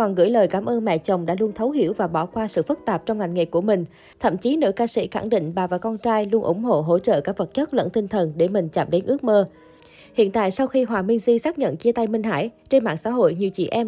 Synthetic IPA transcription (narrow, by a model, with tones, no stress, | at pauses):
ɔ˨˩nɣɨ̰˧˥əjləː˨˩jkaː˨˦mʔəː˧nma̰˧˨t͡ɕə˨˩wŋ͡mɗa̰ː˧˥lu˧ənt̪ʰə˨˦wɦḭ˧˩əwvaː˨˩ɓɔ˧˩kwaː˧sɨ̰˧˨fɨ˦˥t̚t̪aː˨˩p̚t͡ɕɔ˧wŋ͡mŋa˨˩ŋ̟ŋḛ˨˩kːu˧˩əmï˨˩ŋ̟ | t̪ʰə̰˧˨mt͡ɕi˨˦no̰ː˧˥jkaː˧sḭ˧˥xa̰˧˩ŋɗḭ̈˧˨ŋ̟ɓaː˨˩vaː˨˩kɔ˧nt͡ɕaː˧jlu˧ənʔʊ̰˧˩ŋ͡mɦo̰˧˨ɦo̰˧˥t͡ɕə̰ː˧˨kaː˦˥k̚və˨˩t̚t͡ɕə˦˥t̚lə̰˧˥nt̪ï˧ŋ̟t̪ʰə˨˩nɗe˧˩mï˨˩ŋ̟t͡ɕa̰ː˧˩m̚ɗe˨˦nʔɨ˦˥ək̚məː˧ | hḭ˧˨ənt̪a̰ː˧˨jsa˧wxi˧ɦwaː˨˩mï˧ŋzi˧saː˦˥k̚ɲə̰˧˨nt͡ɕi˧ət̪a˧jmï˧ŋ̟ɦa̰ː˧˥jt͡ɕe˧nma̰ː˧˨ŋsa̰ː˧˥ɦo̰˧˨jɲi˨˩əwt͡ɕḭ˧˩ʔɛ˧m